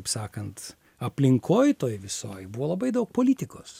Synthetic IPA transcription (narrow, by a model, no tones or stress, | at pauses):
psɑːkɐnt̪ | ɐpʲlʲɪŋkʰoːjt̪oːjʋʲɪso̰ːjbuʋoːlˠɐbɐɪd̪ɐʊk̚poːlʲit̪ʲɪkoːs